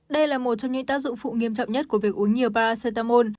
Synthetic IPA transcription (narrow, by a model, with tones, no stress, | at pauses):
ɗə˧jlaː˨˩mo˨˩t̚t͡ɕɔ˧wŋ͡mɲɨ̰˧˥ŋt̪aː˦˥k̚zʊ̰˧˨ŋfṵ˧˨ŋi˧əmt͡ɕɔ̰˧˨wŋ͡mɲə˦˥t̚ku˧˩əvi˨˩ək̚ʔəŋɲi˨˩əwpaː˧ɾaː˧sə˧jt̪aː˧mo˧n